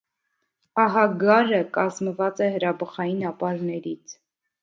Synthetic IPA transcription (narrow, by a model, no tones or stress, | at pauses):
ɑɦɑɡɑɾəkɑzməvɑt͡sɛɦəɾɑbəχɑjinɑpɑɾnɛɾit͡sʰ